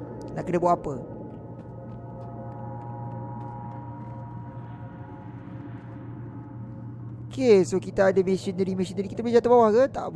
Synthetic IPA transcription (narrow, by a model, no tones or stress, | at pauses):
naʔkənəbwaʔapə | kesokit̪aadəmesənəɾimesinəɾikit̪abed͡ʒat̪əbawahkət̪a̰ʔb